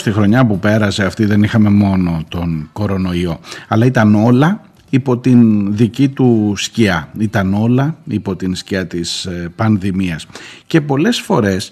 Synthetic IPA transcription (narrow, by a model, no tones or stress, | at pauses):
st̪ixɾo̞ɲɐpupe̞ɾɐse̞ɐft̪iðe̞nixɐme̞mo̞no̞t̪o̞nko̞ɾo̞no̞io̞ɐlɐit̪ɐno̞lɐ | ipo̞t̪inðicit̪usciɐit̪ɐno̞lɐipo̞t̪insciɐt̪ispɐnðimiɐsce̞po̞le̞sfo̞ɾe̞s